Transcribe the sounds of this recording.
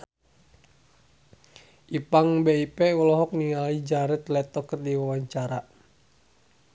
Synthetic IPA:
ʔipaŋbeipɛulɔɦɔk̚niŋaid͡ʒaɾɛt̪lɛt̪ɔkərdiwawaɲt͡ʃaɾa

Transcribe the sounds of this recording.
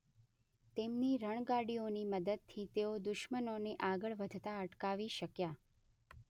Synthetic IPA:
t̪emniɾəɳ̃ɡaɽioniməd̪əd̪̚t̪ʰit̪eod̪ʊʃmənoneʔaɡəɭʋəd̪ʱt̪aəʈkaʋiʃəkja

